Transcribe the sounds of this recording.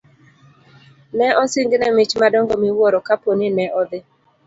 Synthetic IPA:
nɛʔɔsɪŋɡnɛmɪt͡ʃmadɔŋɡɔmɪwɔɾɔkaponɪnɛʔɔd̪ɪ

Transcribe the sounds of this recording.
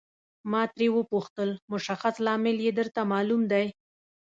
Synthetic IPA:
mɑt̪ɾewəpuxt̪əlmʊʃaxaslɑmɪljed̪əɾt̪amɑlumd̪aj

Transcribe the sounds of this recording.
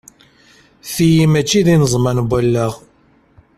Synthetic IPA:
θijimæt͡ʃːiðinəzˤmænɡʷælːəʁ

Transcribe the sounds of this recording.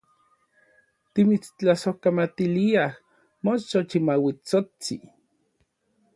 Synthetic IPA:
t̪imit͡st͡ɬasohkamat̪iliah | mot͡ʃot͡ʃimawit͡sot͡sḭ

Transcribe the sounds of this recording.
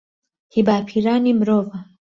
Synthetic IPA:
hibaːpʰiɾaːnimɾoːva

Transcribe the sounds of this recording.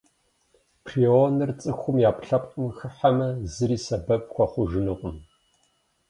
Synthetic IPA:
pʰrionɨrt͡sʼɨxʷʊmjaːpɬɐpʼʊmxɨħamɐzɨɾiːsɐbɐp̚xʷɔχʷʊʒɨnɨqʷʼʊm

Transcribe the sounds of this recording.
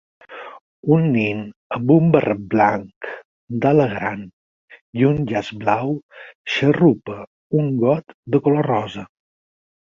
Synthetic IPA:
unːinəmbumbərʔət̪̚blaŋk | d̪aləɣɾan | jiunʎazblawʃərupə | uŋɡɔt̪d̪əkolorɔzə

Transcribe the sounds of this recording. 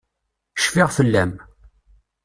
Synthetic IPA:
ʃfiʁfəlːæm

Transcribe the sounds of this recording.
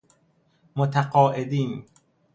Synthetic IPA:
mot̪ʰæqɒːʔed̪iːn

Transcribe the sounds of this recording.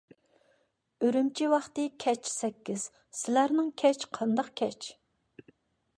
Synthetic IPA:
øɾymt͡ʃʰiwɑχt̪ɨkʲʰɛt͡ʃsɛkʲːiz̥ | sɪlæɾnɪŋkʲʰɛt͡ʃqʰɑnd̪ɑqkʲʰɛt͡ʃ

